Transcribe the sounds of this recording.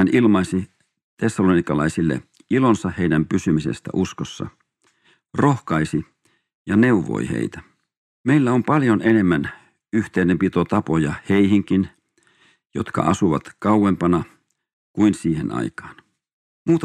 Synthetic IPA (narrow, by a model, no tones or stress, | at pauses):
ænʔilmɑisi | t̪esːɑlonikɑlɑisilːḛ | ilonsɑheinæmpysymisḛst̪æ̰ʔuskosːɑ̰ | rohkɑisi | jɑneuʋˑo̰ihḛit̪æ | meilːæompɑljonenemːæn | yht̪einempit̪ot̪ɑpojɑheihiŋkin | jo̰t̪kɑ̰ʔɑ̰suʋɑt̪kɑuwempɑnɑ | kuinsiːhḛnɑ̰ikɑ̥ːn | muːt̪ɑ